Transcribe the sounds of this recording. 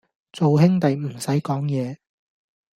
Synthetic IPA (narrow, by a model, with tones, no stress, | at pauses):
t͡so˨wɦɪ˥ŋt̪ɐ˨jm̩˨˩sɐ˨˥jkɔː˨˥ŋjɛː˨˧